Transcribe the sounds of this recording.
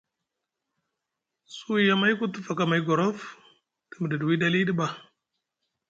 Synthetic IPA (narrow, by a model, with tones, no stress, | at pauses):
su˦i˦ja˦ma˦jku˦tu˦fa˨ka˨ma˨i˦ɡo˨ɾo˦f | tə˨mə˨də˨dwi˦da˦li˦di˦ba˨